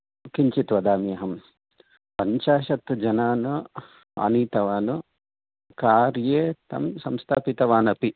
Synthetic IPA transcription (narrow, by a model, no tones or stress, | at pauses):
kiɲt͡ʃit̪ʋɐd̪aːmijɐɦɐm | pɐɲt͡ʃaːʃɐt̪d͡ʒɐnaːnu | ɐ̰niːt̪ɐʋaːnu | kaːɾjeːt̪ɐ̰msɐmst̪ʰaːpit̪ɐʋaːnɐpi